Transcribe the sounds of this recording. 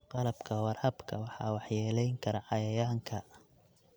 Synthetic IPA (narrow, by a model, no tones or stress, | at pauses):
qɑlɐbkʰɐwɑrhɐbkʰɐwɑħɑ̰ːwɑħjɛːlɛjŋkʰɐɾɐʕɑjɐjaːŋkʰɐ